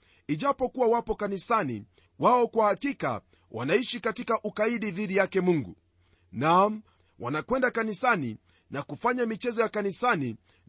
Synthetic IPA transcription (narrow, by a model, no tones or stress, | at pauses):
iʄapɔkuwawapɔkanisani | waɔkwahakika̰ | wʔa̰naiʃikatikaʔukaiɗiðiɗijakɛmuŋɡu | nam | wanakwɛndakanisani | nakufaɲamit͡ʃɛzɔjakanisani